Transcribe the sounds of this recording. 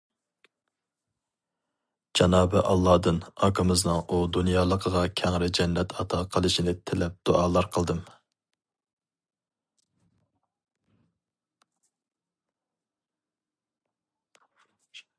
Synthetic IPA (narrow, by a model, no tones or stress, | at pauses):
d͡ʒɑnɑːbɨʔɑ̰lˠːɑd̪ɨnɑkʰəmɨznɨŋud̪unjɑːlˠəqʰəʁɑkʲʰɛŋɾɪd͡ʒɛnːɛt̪ʰɑt̪ʰɑqʰəlˠɨʃinɪt̪ʰɪlɛp̚d̪̥oʔɑːlˠɑɾqʰəlˠd̪ɨm